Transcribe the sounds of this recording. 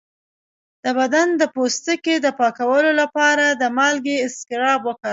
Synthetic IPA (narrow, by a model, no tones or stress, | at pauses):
d̪̥əbad̪and̪əpost̪əked̪əpɑkawəlolapɑɾad̪əmɑlɡeɪskɪɾɑbwəkə